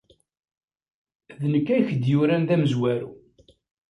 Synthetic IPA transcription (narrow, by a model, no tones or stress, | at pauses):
ðnəkːæjçd̪jʊɾænðæməzwæɾṵ